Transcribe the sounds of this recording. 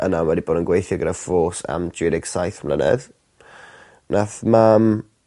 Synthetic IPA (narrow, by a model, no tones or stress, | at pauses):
ʔənamwadiboːdənɡwejθjɔɡəɾəfoːsa̰mdɪːnɪɡ̥sajθamlənɛ̰ð | nʔaθmam